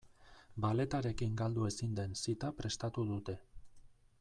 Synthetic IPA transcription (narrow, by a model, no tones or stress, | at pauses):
bale̞t̪aɾe̞kiŋɡald̪ue̞sind̪e̞nsit̪apɾe̞st̪at̪uðut̪e̞